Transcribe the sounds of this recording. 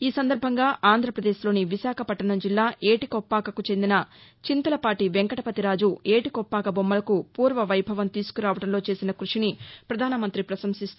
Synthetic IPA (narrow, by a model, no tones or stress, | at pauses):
iːsɐnd̪ɐɾbʱɐŋɡaːʔaːnd̪ʱɾɐpɾɐd̪eːʃlo̞ːniʋiʃaːkʰɐpɐʈːɐɳɐmd͡ʒilːaːʔeːʈikɔpːaːkɐkut͡ʃe̞nd̪inɐt͡ʃint̪ɐlɐpaːʈiʋeŋkɐʈɐpɐt̪iɾaːd͡ʒue̞ːʈikɔpːaːkɐbomːɐlɐkupuːɾʋɐʋɐjbʱɐʋɐnt̪iːsu̥kuɾaːʋɐʈɐmlo̞ːt͡ʃe̞ːsinɐkɾuʂinipɾɐd̪ʱaːnɐmɐnt̪ɾipɾɐsɐmsist̪